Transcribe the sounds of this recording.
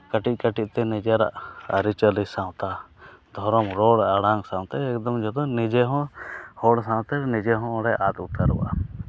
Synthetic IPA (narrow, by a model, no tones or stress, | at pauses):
kəʈiˀkəʈic̚t̪ɛnid͡ʒaɾa̰ʔə̰ɾit͡ʃəlisãwt̪ad̪ʱɔɾɔmɾɔɽaɽãŋɡsãwt̪ɛɛkd̪ɔmd͡ʒɔt̪ɔnid͡ʒɛɦɔ̃hɔɽsãwt̪ɛnid͡ʒɛɦɔ̃ɔɽɛʔat̪ut̪əɾṵwa̰